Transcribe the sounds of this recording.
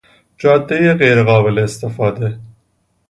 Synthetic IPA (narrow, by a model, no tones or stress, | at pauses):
d͡ʒɑːd̪ːejeɣejɾeɣɑːbeleːst̪efɑːd̪e